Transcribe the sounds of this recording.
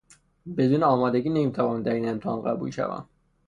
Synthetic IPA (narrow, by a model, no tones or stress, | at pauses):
be̞d̪uːneɒːmɒːd̪eɡiːnemiːt̪ʰævɒːnænd̪æɾiːnemt̪ʰeɑnɢæbṵlʃæ̰væ̰m